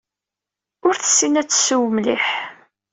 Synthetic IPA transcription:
ʊɾθə̥sːinæt͡sːsuwmlḭħ

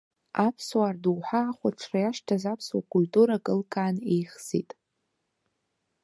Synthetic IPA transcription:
apʰswarduwħʷaːχʷaʈ͡ʂʰrajaʃtʰazapʰswakʷʼultʼuɾakʼɨlkʼaːnejχz̥itʼ

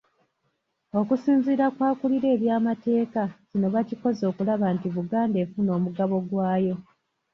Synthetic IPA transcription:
o̞kusiːnziːɾakwaːkuliɾe̞ːβjaːmate̞ːkacino̞βaciko̞zo̞ːkulaβaːntiβuɡaːnde̞ːfuno̞ːmuɡaβo̞ɡwaːjo̞

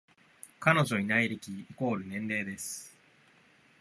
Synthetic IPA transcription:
kano̞ʑo̞inaiɾʲikʲiːko̞ːɾɯ̟nẽ̞nɾe̞ːd̪e̞sɨ̥

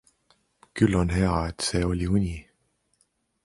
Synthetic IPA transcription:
kylːo̞nɦe̞ɑe̞t̪se̞ːo̞lʲiunʲi

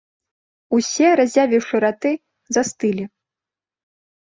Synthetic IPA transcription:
usʲɛɾazʲavʲiwʂɨɾat̪ɨ | zɐst̪ɨlʲi

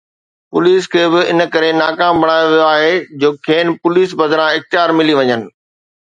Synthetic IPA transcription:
pʊliːskʰeːbɪɪ̰nə̆kɐɾenaːkaːmbɐɽ̃aːjoʋijoaːɦed͡ʑoːkʰeːnpʊliːs̬bɐd̪ɾãɪxt̪ɪjaːɾmɪliʋɐɲənɪ̆

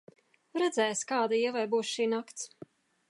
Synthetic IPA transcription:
ɾɛd̪zɛjskaːd̪aiɛvajbuːsʃiːnakt̪s

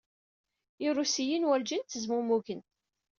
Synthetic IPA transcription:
iɾusijinwæld͡ʒənt̪θəzmumuʝənt̪

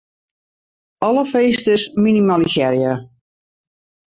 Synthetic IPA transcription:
ʔɔləfeːstəsminimalixɛɾjə

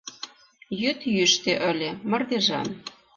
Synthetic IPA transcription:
jyt̪jyʃt̪eʔə̆lʲĕmɤ̆rd̪eʒɑ̰m

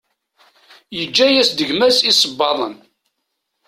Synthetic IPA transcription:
jəd͡ʒːæjæsd̪əʝmæsisˤəbːɑðˤən

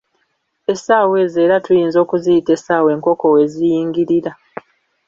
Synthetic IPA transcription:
e̞saːweːzeːɾatujiːnzo̞ːkuzijite̞saːwe̞ːŋko̞ko̞we̞zijiːŋɡiɾiɾa

